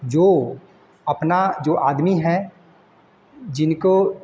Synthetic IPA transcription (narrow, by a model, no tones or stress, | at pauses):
d͡ʒoː | ɐpnad͡ʒoːʔaːd̪miɦɛ | d͡ʒɪnko